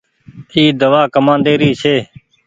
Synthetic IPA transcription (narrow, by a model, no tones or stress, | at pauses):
iːd̪əʋaːkəmãːnd̪eːɾiːsʰeː